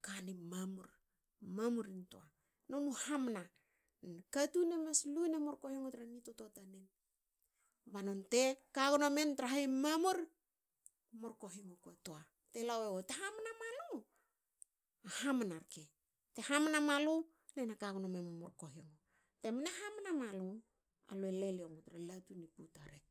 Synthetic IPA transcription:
kanimamuɾ | mamuɾinto̰a | nonuhamna | nnkatunemeslunemoɾkohiŋotɾanitototanen | banontekaɡonomentɾaɦaimamuɾ | moɾko̞ɦiŋokatoa | telaweɡoteɦamnamalo | ahamanaɾke | te̞hamnamalo | nenakaɡonomenomoɾkoɦiŋo | temneɦamnamalu | a̰loeleleomotɾalatuniputaɾe

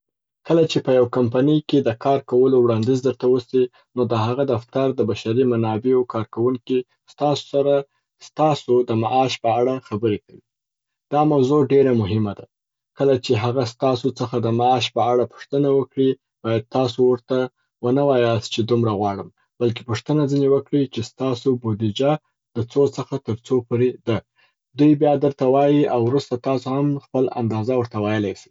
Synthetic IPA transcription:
kəlat͡ʃepəjawkampanəjked̪əkʰɑɾkawəlowɽɑnd̪izd̪əɾt̪awəsi | nod̪əɦaɣad̪aft̪aɾd̪əbaʃaɾimanɑbeokɑɾkawuŋki | st̪ɑso̥saɾa | st̪ɑsod̪əmaʔɑʃpəaɽaxabəɾekawi | d̪̥ɑmawzoɖeɾamʊɦɪmad̪a | kəlat͡ʃeɦaɣast̪ɑsot͡səxad̪əmaɑʃpəaɽapʊ̥ʂt̪ənawəkɽi | b̥ɑjad̪̚t̪ɑsowəɾt̪a | wənawɑjɑs̚t͡ʃed̪umɾaɣwɑɽəm | b̥alk̬e̥puʂt̪ənazinewəkɽit͡ʃest̪ɑsobod̪id͡ʒa | d̪̥ət͡sot͡səxat̪əɾt͡sopoɾed̪a | d̪ujbjɑd̪əɾt̪awɑjiawɾust̪at̪ɑsohamxpəla̰nd̪ɑzawəɾt̪awɑjəlajsi̥

